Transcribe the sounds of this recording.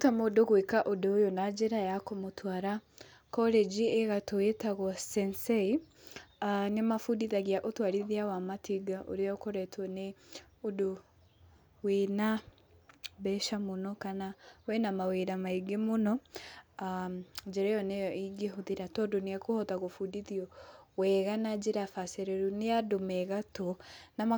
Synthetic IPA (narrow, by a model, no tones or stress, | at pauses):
otamodoɣwekaʔodojonad͡ʒeɾajakomotʰwaːɾa | kɔled͡ʒieɣatoetaɣwɔsɛnsei | anemafudiðaɣiaʔotwaɾiðiawamatʰiɡaʔo̰ɾejɔkɔɾɛtwɔne | odo | wena | bɛʃamonɔkanawɛnamaweɾamaiɡemonɔad͡ʒɛɾajɔnejɔʔiɡeɦoðiɾatɔdoneakohɔtaɣofudiðiɔwɛɣanad͡ʒeɾafaseɾɛɾuneadomɛɣatɔnama